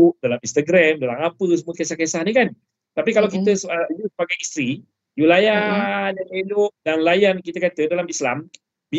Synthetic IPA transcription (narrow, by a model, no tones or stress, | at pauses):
ʔdalamĩnst̪aɡɾɛmdalaŋapəs̬əmuəkesahkesahnikan | t̪apikalawkit̪əsəjusəbaɡajist̪ɾi | julajadanelʊʔ̚danlajankit̪əkat̪ədalamisla̰m | bi